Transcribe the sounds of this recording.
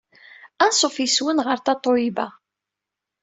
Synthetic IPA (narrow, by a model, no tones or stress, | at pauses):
ænsˤofiswənʁəɾθɑt̪ˤːoibæ